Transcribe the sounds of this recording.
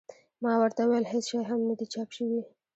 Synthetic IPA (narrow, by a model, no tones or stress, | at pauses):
mɑwaɾt̪awajalɦesʃɑjɦamnad̪it͡ʃɑpʃəwi